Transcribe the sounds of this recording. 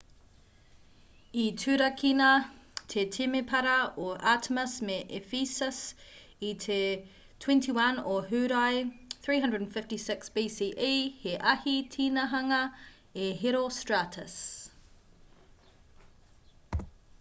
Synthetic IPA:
itʰʉːɾɐkʰinɐtʰetʰimepʰɐɾɐoʔaːtʰməsmeʔefisəs | itʰe | tʰw̥ɛ̃ntʰiwɐnoɦʉɾajθɹiːɦɐ̃ndɹədnfɪftisɪksb̥iːsiːʔiheʔɐhitʰiːnɐɦɐŋɐ | eɦeɾostɹatʰəs

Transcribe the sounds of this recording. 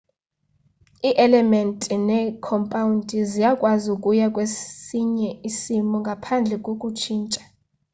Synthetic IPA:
iʔɛlɛmɛntʼinɛkʰɔmpʼawundʱʼizijakʼwazukʼujakʼwesiɲɛisimɔŋɡʱapʰand͡ɮʱɛkʼokʼut͡ʃʰiːnt͡ʃʼḁ

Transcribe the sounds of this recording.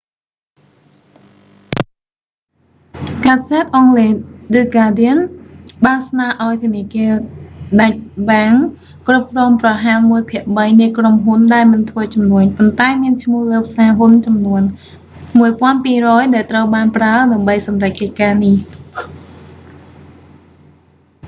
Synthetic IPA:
kaːsaːt̪̚ʔɑŋleːɗɨːkaːdiənɓaːnsnaəʔaɔjt̪ʰəniəkiəɗac̚ɓaŋ | krup̚krɔːmprɑɦalmuəjpʰiəʔɓəjnɨəkromɦunɗaɛlmɨnt̪ʰʋəːt͡ɕɑmnuəɲpont̪aɛmiənt͡ɕʰmŭəhləːp̚saːɦunt͡ɕɑmnuən | muəjpŏənpiːrɔːjɗaɛlt̪rəwɓaːnpraəɗaəmɓəjsɑmrac̚kəc̚kaːnih

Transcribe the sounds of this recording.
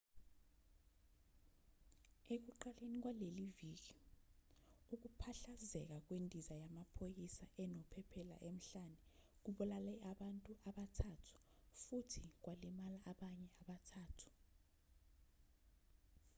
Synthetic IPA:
ek̬uǃalenik̬waleliviːk̬i | uk̬upʰaɬazɛk̬ak̬wendʱizajamapʰojisaʔɛnɔpʰɛpʰɛla̰ʔem̩ɬanɛk̬uɓɔlalɛaɓantʼuʔaɓatʰatʰu̥futʰik̬walimalaʔːɓaɲɛaɓatʰaːtʰu̥

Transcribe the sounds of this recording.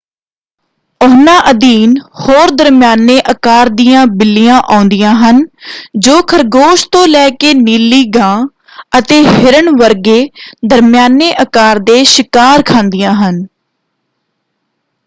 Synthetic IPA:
ʊɦnãːʔəd̪iːnhoːɾd̪əɾmjaːneːʔəkaːɾd̪ijãːbɪlːijãːʔaːʊ̃nd̪ɪjãːɦənd͡ʒoːkʰəɾɡoːʃt̪õːlɛːkeːniːlːiːɡãː | ət̪eːɦɪɾəɳʋəɾɡeːd̪əɾmɪjaːneːʔəkaːɾd̪eːʃɪkaːɾkʰãːnd̪ɪjãːɦən

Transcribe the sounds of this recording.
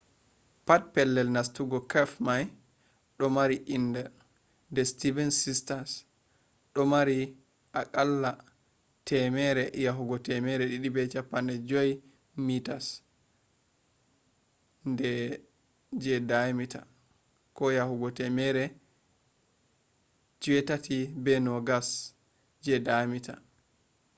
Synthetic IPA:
pat̚pɛlːɛlnastuɡɔkɛfmaj | ɗɔmaɾiʔindɛ | ndɛstivɛnsistas | ɗɔmaɾi | ʔakʼalːa | tʰɛmɛɾɛjaɦuɡɔtɛmɛɾɛɗiɗibɛt͡ʃapːandɛd͡ʒɔj | mitas | ndɛ | d͡ʒɛdamita̰ | kɔjahuɡɔtɛmɛɾɛ | t͡ʃiwɛtatʰibɛnɔɡas | d͡ʒɛdamita̰

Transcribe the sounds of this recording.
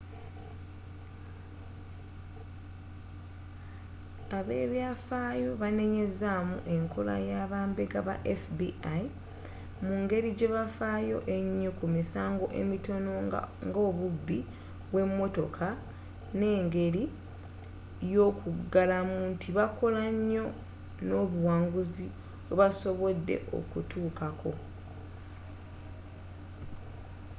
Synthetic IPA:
aβe̞ːβjafaːjo̞βane̞ɲe̞zamṵʔe̞ŋkʰo̞la̰jaβaːmbe̞ɡaβa̰ʔefbiai | muŋɡe̞ɾiɟe̞βafajo̞ʔe̞ɲːokumisaːŋɡo̞ʔe̞̰mito̞noŋɡo̞ːβubːi | βwe̞mːo̞to̞kʰa | ne̞ːŋɡe̞ɾi | jokuɡalamuntiβako̞laɲːo̞ | no̞ːβuwaːŋɡuzi | weβaso̞βodːe̞̰ʔo̞̰kutʰuːkakʰo̞

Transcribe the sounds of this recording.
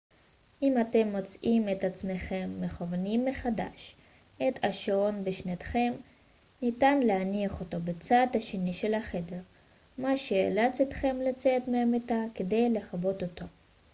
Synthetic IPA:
ʔimate̞mːot͡sʔime̞tat͡smeχe̞mːeχovanimːe̞χada̰ʃ | et̪ʰaʃaonbeʃnat̪χe̞m | nitanleaniaχo̞tobet͡saːd̪haʃe̞niʃe̞lhaχe̞de̞ʁ | maʃeḛlat͡set̪χe̞mlat͡setmeametakede̞jle̞χabo̞tot̪o

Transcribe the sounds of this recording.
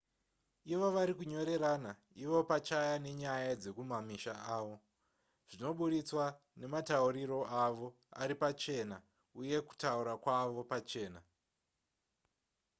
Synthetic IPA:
iʋoʋaɾikuɲo̞ɾe̞ɾaːna | iʋo̞pat͡ʃajane̞ɲajad͡ze̞kumamiʃaaːʋo̞ | ʐ̥ino̞ɓuɗit͡swa | ne̞matauriro̞aʋo̞ | a̰ɾipat͡ʃe̞ːna | uje̞ku̥tauɾakwaʋo̞pat͡ʃe̞ːna

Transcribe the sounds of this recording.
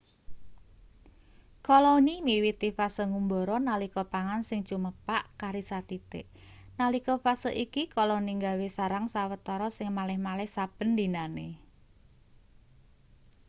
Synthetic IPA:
kɔlɔnimiwit̪ifasəŋumbɔɾɔnalikɔpaŋansɪŋ̥t͡ʃuməpaʔkaɾisat̪it̪ḛʔ | nalikɔfasəʔikikɔlɔniŋɡa̤wesaɾaŋsawət̪ɔɾɔsɪŋmalɪhmalɪhsab̥ə̤nd̪i̤nane

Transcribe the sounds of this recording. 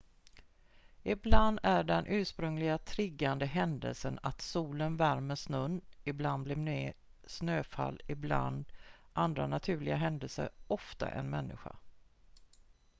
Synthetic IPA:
ɪbland̪æɖɛnʔʉ̟ːʂpɾɵŋlɪɡat̪ʰɾɪɡːand̪əɦɛnd̪ə̰lsənat̪suːlənvæɾməʂnɵnːɪbland̪blɪneː | snøːfa̰lːɪbla̰nd̪ʔand̪ɾanat̪ʰʉ̟ːɭɪɡaɦɛnd̪əlsə̰ɾɔft̪a̰ʔɛ̰nmɛnːɪɧa̰

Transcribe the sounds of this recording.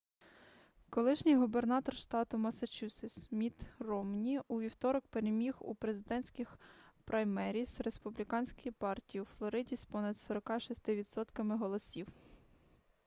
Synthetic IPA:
kɔlˠɪʃnʲɪjɦʊbernɑt̪ɔrʃt̪ɑt̪ʊmɐsɐt͡ʃusɪsmʲit̪rɔmnʲiuʋʲiwt̪ɔɾɔkpeɾemʲixṵpɾe̞zɪd̪ɛnʲsʲkʲɪxpɾʔɐjmɛɾʲisɾespʊblʲikɑnʲsʲkɔjipɑrtʲijiuflˠɔɾɪdʲisʲpɔnɐd̪sɔɾɔkɑʃist̪ɪʋʲid̪sɔt̪kɐmɪɦɔlˠɔsʲiw

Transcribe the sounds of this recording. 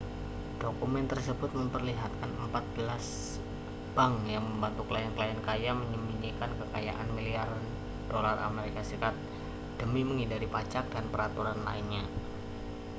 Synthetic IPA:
d̥okumɛnt̪ərsəbʊt̪̚məmpərliɦat̪̚kanəmpat̪̚b̥əlas | b̥aŋjaŋməmbant̪uklajankəlajankajaməɲəmiɲikankəkaja̰ʔanmiliar | d̥olarʔa̰meɾikasɾikat̪̚ | d̥əmiməŋidaɾipat͡ʃak̚danpəɾat̪uɾanla̰inɲa

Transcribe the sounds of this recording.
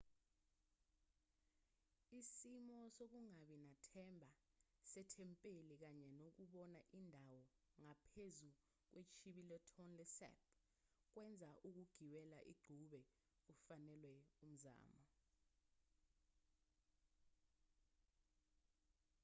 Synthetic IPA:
isimɔsok̬uŋaɓɛnatʰɛmbʱasɛtʰɛmpʼelik̬aɲɛnok̬uɓɔnaʔindʱawɔ | ŋapʰezu | k̬wet͡ʃʰiɓilɔtʰɔnlɛsɛ̰p̚ | k̬wɛnd͡zʱaʔuk̬uɡ̥ʱiwɛlaʔḭɡ͡ǃʱuɓɛ | ufanɛlwɛum̩za̰ːmɔ

